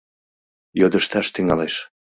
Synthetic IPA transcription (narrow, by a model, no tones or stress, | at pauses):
jod̪əʃt̪ɑʃt̪yŋɑleʃ